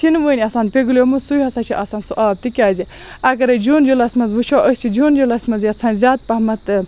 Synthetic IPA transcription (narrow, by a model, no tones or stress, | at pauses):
sinʋəːnʲiɐsaːnpʲeɡlʲjomɨsujɦɐsat͡ʃʰiʔɐsaːnsuʔaːb̚t̪ikʲaːzi | ɐɡɐɾɐd͡ʒoːnd͡ʒulɐsʲmɐzʋut͡ʃʰoːʔəsʲt͡ʃʰid͡ʒoːnd͡ʒolɐsʲmɐzjɐt͡sʰaːnzʲaːt̪̚pɐɦmɐt̪ɨ